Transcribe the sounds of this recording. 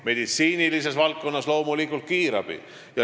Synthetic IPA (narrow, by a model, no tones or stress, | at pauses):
me̞d̪̥it̪siːnilis̬e̞svɑlt̪̚ko̞nːɑslo̞wmulikːˑult̪̚kiːɾɑb̥ḭ | jɑ